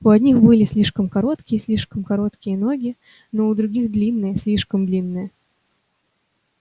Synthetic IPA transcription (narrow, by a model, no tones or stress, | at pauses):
ʊɐd̪ʲnʲixbɨlʲɪsʲlʲiʂkəmkɐɾo̞t̪kʲɪjəsʲlʲiʂkəmkɐɾo̞t̪kʲɪjəno̞ɡʲɪ | noʊd̪ɾʊɡʲixd̪lʲinːɨjəsʲlʲiʂkəmd̪lʲinːɨjə